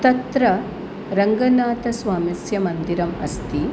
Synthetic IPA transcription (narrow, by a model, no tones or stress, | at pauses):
t̪ɐt̪ɾɐ | ɾɐŋɡɐnaːt̪ɐsʋaːmisjɐmɐnd̪iɾɐmɐst̪i